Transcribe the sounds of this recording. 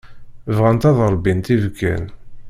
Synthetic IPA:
vʁænt̪ɑðˤəɾˤbːint̪ivkːæ̰n

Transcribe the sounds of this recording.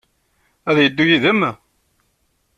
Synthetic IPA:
æðjəd̪ːujiðəmː

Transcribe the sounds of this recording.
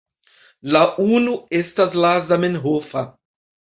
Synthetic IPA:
laʔunuestaslazamenɦofa

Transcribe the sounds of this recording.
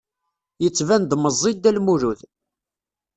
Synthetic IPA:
jət͡sːvænd̪məzˤːid̪ːælmuɾuð

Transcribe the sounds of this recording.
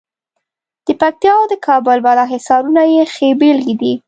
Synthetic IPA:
d̪̥əpak̚t̪jɑwd̪əkʰɑbʊlbalɑɦɪsɑɾunajexebelɡed̪i

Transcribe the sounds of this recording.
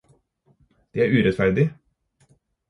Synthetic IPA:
d̪̥eːæːɾʉːɾɛt̪fæɾd̪ɪ

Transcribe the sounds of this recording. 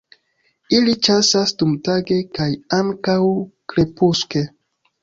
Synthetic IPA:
ilit͡ʃasasdumtaɡe̞kajaŋkawkle̞puske̞

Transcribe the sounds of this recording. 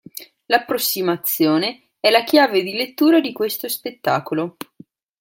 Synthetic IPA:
lapːɾosːimat̪sːjoːne | ɛlakjaːved̪ilet̪ːuːɾad̪ikwest̪ospet̪ːaːkolo

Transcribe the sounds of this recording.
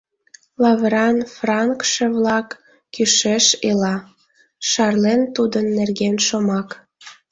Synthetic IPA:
lɑβəɾɑnfrɑŋkʃeβlɑkː | yʃeʃelɑ | ʃɑrlent̪ud̪ənːerɣenʃomɑk

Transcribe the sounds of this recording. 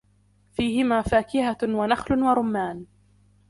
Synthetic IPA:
fiːhɪmaːfaːkɪhawanaxlʊwaɾˤʊmːaːn

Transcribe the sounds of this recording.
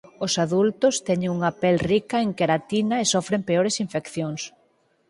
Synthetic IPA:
ʊsaðult̪ʊst̪ɛɲẽŋuŋapɛlrikɐeŋkeɾat̪inɐesofɾempeoɾɪsiɱfekθjoŋs

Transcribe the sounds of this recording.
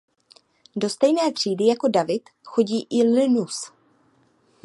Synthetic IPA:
do̞st̪ɛjnɛːt̪r̝̥iːdɪjako̞davɪt̪xo̞ɟiːʔɪlɪnus

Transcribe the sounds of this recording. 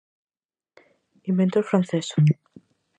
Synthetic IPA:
imbent̪oɾfɾanθeso̥

